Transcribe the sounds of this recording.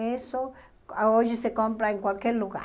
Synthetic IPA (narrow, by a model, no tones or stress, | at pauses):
eso | aoʒesekompɾaeŋkwalkjeɾluɣa̰